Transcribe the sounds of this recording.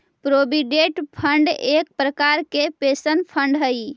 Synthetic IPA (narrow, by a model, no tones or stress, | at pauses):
pɾobiɖeʈpʰəɳɖek̚pɾəkaɾkepesənpʰəɳɖɦəj